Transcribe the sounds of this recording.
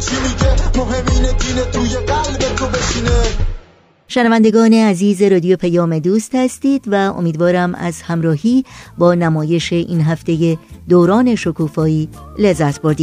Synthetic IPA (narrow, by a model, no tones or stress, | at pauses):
t͡ʃʰimiɡemoɦemiːned̪iːnet̪ʰuːjedælbet̪ʰobeʃiːne | ʃenævænd̪eɡɒːne̞æziːzeɾɒːd̪ijopʰæjɒːme̞d̪uːst̪hæst̪iːd̪̥væo̞̰miːd̪vɒːɾæmæ̰zhæmɾɒːhiːbɒːnæmɒːje̞ʃe̞ʔḭːnɦæft̪e̞je̞d̪oːɾɒːne̞ʃokʰuːfɒːiːlezːæt̪ʰb̥o̞ɾd̪iː